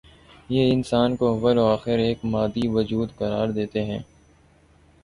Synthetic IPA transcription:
jeːɪnsaːnkoɐʋəloaːxɪɾeːkmaːd̪iʋɐd͡ʒuːd̪qɐɾaːɾd̪eːt̪eɦɛ̃ː

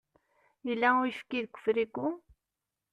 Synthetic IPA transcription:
ilæujfkiðkʷːə̥fɾikʊ

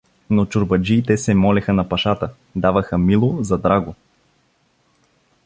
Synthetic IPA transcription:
not͡ʃʊɾbɐd͡ʒiːt̪ɛsɛmɔlɛxənɐpɐʃat̪ə | d̪avəxəmilˠozɐd̪ɾaɡo

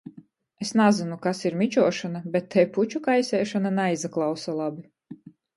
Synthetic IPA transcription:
esnazinukasiɾmit͡ʃuɔʃanabɛt̪ʰːɛjput͡ʃukajsʲɛːʃananajzaklˠawsalˠabi

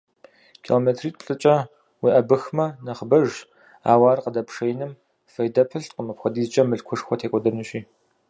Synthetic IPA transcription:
kʰiloːmeːtʰriːt̚pɬʼɨt͡ʃʼɐ | wiːʔɐbɨxmɐnɐχbɐʒ | a̰ːwaːrqədɐpʰʂejnɨm | fɐjdɐpʰɨɬtqəmɐpxʷɐdiːzt͡ʃʼɐmɨɬkʷʰʊʂxʷɔtʰeːkʷʼɔdɐrnuɕʼiː

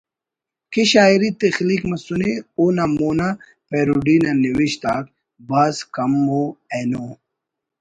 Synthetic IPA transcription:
keɕaːiɾit̪exliːkmɐsuneoːnamoːna | peɾuɖiːnɐniwiɕt̪aːk̚ | baːskɐmːoenoː

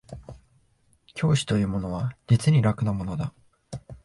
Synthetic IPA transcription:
kʲʰo̞ːɕi̥t̪o̞jɯ̟ːmo̞no̞β̞ad͡ʑit͡sɨɲ̟iɾakɯ̟namo̞no̞d̪a

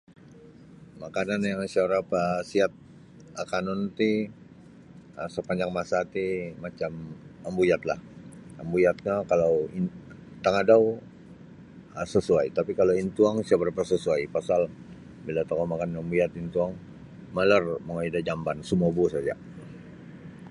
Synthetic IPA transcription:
makananjaŋsiaɾapasiat̪̚ | akanɔnt̪i | əsəpaɲd͡ʒaŋmasat̪imat͡ʃaməmbujat̪la̰həmbujat̪̚ɲakalawi | t̪aŋadau | əsəsuajt̪apikaloint̪uaŋsiabəɾapasəsuajpasal | bilat̪okamakanambujat̪int̪uaŋ | malərməŋaidad͡ʒambansumobusad͡ʒa̰

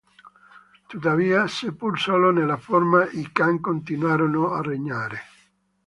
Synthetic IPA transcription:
t̪ut̪aviːasepulsalonelaformaʔikaŋkont̪inwaːɾonoareɲaːɾe

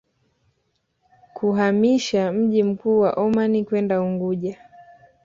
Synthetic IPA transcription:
kʰuɦamiʃam̩ʄim̩kuːwaʔɔmanikwɛndauŋɡuʄa

